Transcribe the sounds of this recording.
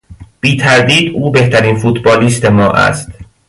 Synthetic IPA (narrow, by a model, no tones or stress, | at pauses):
b̥iːt̪ʰæɾd̪iːd̪uːbe̞ht̪ʰæɾiːnfuːt̪ʰbɒːliːst̪e̞mɒːʔæ̰st̪